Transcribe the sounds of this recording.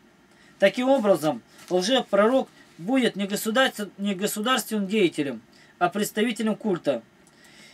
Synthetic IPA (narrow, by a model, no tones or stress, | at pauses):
t̪ɐkʲimo̞bɾəzəm | lˠʐɛpːɾɐɾo̞k | budʲɪt̪nʲɪɡəd̪nʲɪɡəsʊd̪arst̪vʲɪnɨmdʲejɪtʲɪlʲəm | ɐpɾʲɪt̪st̪ɐvʲitʲɪlʲəmkulʲt̪ə